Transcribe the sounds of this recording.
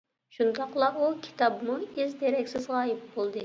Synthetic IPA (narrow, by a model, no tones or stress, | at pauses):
ʃund̪ɑqlˠɑukʲʰi̥t̪ʰɑbmuizd̪eɾɛkʲsɪzʁɑːjip̚bolˠd̪ɨ